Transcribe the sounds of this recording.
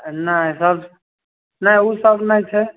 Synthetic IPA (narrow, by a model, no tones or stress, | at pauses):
nasəb | naiusəbnait͡ʃʰɛ